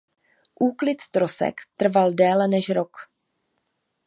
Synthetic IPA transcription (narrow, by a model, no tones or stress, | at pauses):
ʔuːklɪt̪st̪ɾosɛ̰kt̪r̩valdɛːlɛnɛʃɾok